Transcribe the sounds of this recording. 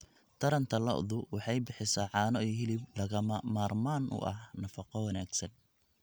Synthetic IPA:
t̪ʰɐɾɐnt̪ʰɐlɐ̰ʔðʊwɑħɑjbɪħɪsɐʕɑːnɔʔɦɪlɪblɐɣɐmmaːrmaːnʔʊ̰ʔɐ̰hnɐfɑqɔwɐnaːɡsɐn

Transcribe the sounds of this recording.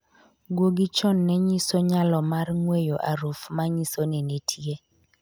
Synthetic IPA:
ɡwoɡit͡ʃɔnːɛɲisoɲalɔmarŋwejoʔaɾufmaɲisonenetʰje

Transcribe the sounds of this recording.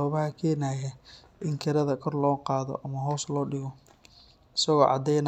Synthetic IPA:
ɔːβɐhɐkʰɛːnaːjɛ | ʔɪŋkʰɐɾɐðɐkʰɔrlɔːqɑːðɔ̰ʔɐmɐɦɔːslɔːɖɪɣɔ | ɪsɐɣɔːʕɑ̰d̪ɛjnɐ

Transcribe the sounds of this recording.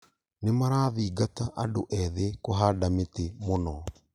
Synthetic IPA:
nemaɾaːðiːɡataʔadoʔɛðekoɦaːdametemonɔ

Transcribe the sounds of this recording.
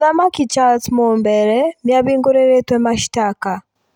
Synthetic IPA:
amakit͡ʃaltmumbɛɾɛnjaβiːŋɡuɾeɾetwɛmaʃi̥taka

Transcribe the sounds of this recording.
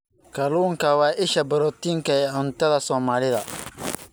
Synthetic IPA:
kʰɐluːŋkʰɐwɑːʔɪʃɐbɐɾɔːt̪iːŋkʰɐɛːʕʊnt̪ʰɐðɐsɔːmaːlɪðɐ

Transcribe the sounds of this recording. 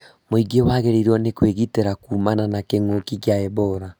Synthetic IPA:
moiɡewaɣeɾeɾɔnekweɣiteɾakuːmananakeŋokikjaɛβɔɾa

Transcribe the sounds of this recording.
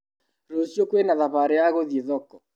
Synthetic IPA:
ɾosjokwenaðaβaɾeaɣoðeðɔkɔ

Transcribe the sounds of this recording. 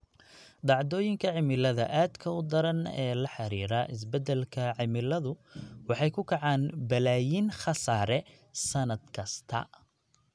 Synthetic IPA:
ɖɑʕd̪ɔːjɪŋkʰɐʕɪmɪlɐðɐ̰ʔaːd̪kʰɐʊd̪ɐɾɐnɛ̰ːlɐħɑɾiːɾaʔɪs̬bɛd̪ɛlkʰɐʕɪmɪlɐðʊwɑħɑjkʰʊkʰɑʕɑːnbɐlaːjiːnχɑsaːɾɛ | sɐnɐd̪kʰɐst̪ʰɐ̰

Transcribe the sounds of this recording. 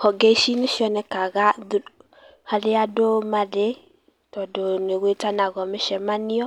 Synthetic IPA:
hɔɡeʃineʃjɔnɛkaɣad | hadeadomade | tɔdoneɣwetanaɣɔmeʃɛmanɪɔ

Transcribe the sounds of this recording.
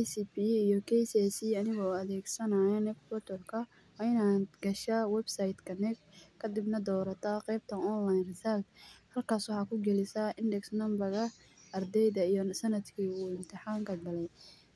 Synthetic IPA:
ɛsipiijɔkʰɛjsɛsiːɐnɪɣɔɐðɛːɡsɐnaːɛnɛkbɔt̪ʰɔrkʰɐ | wɑːɪnaːɡɐʃawɛbsɐjd̪kʰɐnɛɡkʰːɐd̪ɪbnɐd̪ɔːɾɐt̪ʰɐqɛjb̚t̪ʰɐnɔnlajnrɪsald̪hɐlkʰaːswɑħɑːkʰʊɡɛlɪsɐʔɪndɛksnɐmbɐɣɐ | ɐrd̪ɛjðɐijɔsɐnɐd̪kʰiːuːɪnt̪ʰɪħɑːŋkʰɐɡɐlɛj

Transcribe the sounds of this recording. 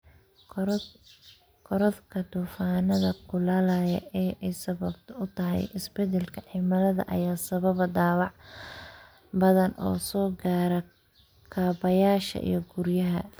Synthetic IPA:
kʰɔɾɐd̪kʰɐd̪uːfaːnɐðɐkʰʊlaːlajɐ̰ɛːʔɛjsɐβɐbt̪ʰɐʊt̪ʰɐɦɛ̰jʔɪsbɛd̪ɛlkʰɐʕimɐlɐðɐ̰ʔɐ̰jaːsɐβɐβd̪aːwɑʕ | bɐðɐnʔɔ̰ːsɔːɡaːɾɐ | kʰaːbɐjaːʃɐ̰ʔḭjɞɡʊɾjɐɦɐ̰

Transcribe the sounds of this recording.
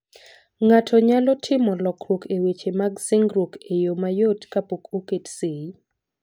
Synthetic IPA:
ŋatʰɔɲalɔtʰɪmɔlɔkɾwokʰewet͡ʃemaɡsɪŋɡɾokejomajotkapokoketsei

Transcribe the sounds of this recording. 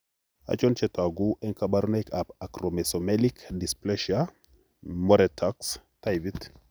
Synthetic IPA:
a̰t͡ʃɔnt͡ʃɛtaɡuʔɛŋkabaɾunajkapakɾomɛsomɛlikdisplɛʃa | moɾɛtʰakstajvit

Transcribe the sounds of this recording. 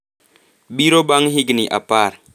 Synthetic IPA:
biɾobaŋɦiɡəniʔa̰paɾ

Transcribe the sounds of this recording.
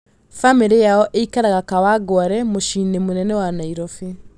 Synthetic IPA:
famiɾejaɔʔeikaɾaɣakawaɡwaɾɛmoʃinemonɛnɛwanaiɾɔfe

